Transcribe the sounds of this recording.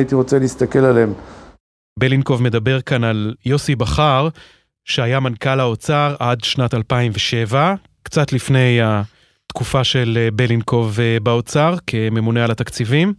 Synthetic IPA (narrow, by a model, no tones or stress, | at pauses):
it̪iʁo̞t͡seliːst̪akelalem | belinko̞vme̞d̪abeʁkanaljo̞sibaχaʁ | ʃeajamankalao̞t͡saʁʔadʃnatalpaimveʃe̞va | kt͡sat̪lifne̞ja | t̪kufaʃe̞lbelinko̞vbao̞t͡saʁkʰe̞me̞mune̞alat̪akt͡sivim